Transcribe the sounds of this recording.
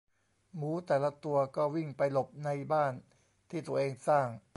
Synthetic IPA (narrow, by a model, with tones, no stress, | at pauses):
muː˩˦t̪ɛː˨˩la˦˥t̪u˧ɐkɔː˥˩wi˥˩ŋpa˧jlo˨˩p̚na˧jbaː˥˩n | t̪ʰiː˥˩t̪u˧ɐʔeː˧ŋsaː˥˩ŋ